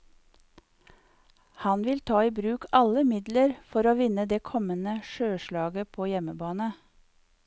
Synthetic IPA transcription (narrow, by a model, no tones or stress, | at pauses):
hɑnʋɪlt̪ʰɑːiːbɾʉːkʰɑləmɪd̪ləɾfɔɾoːʋɪnəd̪eːkʰɔmənəʃøːʃlɑːɡəpʰoːjɛməbɑːnə